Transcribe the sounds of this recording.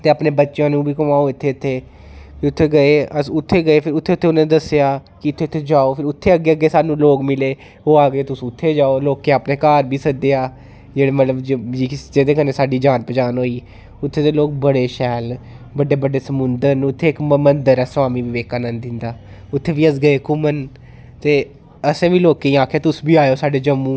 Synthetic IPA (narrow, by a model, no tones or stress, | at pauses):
t̪eːaːpneːbətːʃjãːnũːbiːkəmaːoːɪt̪ʰːeːʊt̪ʰːeː | piʊt̪ʰːeːɡəeːəsʊt̪ʰːeːɡəeːpʰɪɾʊt̪ʰːeːʊt̪ʰːeːʊnãːnːd̪əsejaːkɪʊt̪ʰːeːʊt̪ʰːeːd͡ʒaːoːpʰɪɾʊt̪ʰːeːəɡːeːəɡːeːsaːnũːloːkmɪleː | ɦoːaːɡeːt̪ʊsũːʊt̪ʰːeːd͡ʒaːoːloːkːeaːpneːkaːɾbʱiːsəd̪eaː | d͡ʒeːɽeːmət̪ləbd͡ʒoːd͡ʒiːd͡ʒeːd̪eːkəneːsaːɖiːd͡ʒaːnpəd͡ʒaːnɦoːiː | ʊt̪ʰːeːt̪eːloːk̚bəɽeːʃɛːl | bəɖeːbəɖeːsəmʊnd̪əɾnʊt̪ʰːeːɪkmənd̪əɾɛːsʋaːmiːʋiʋeːkaːnə̃nd̪ɪnd̪aːʊt̪ʰːeːʋiːəsɡəeːkʊmən | t̪eː | əsẽːʋiːloːkeĩːaːkʰeaːt̪ʊsbiːaːjoːsaːɖeːd͡ʒəmːũː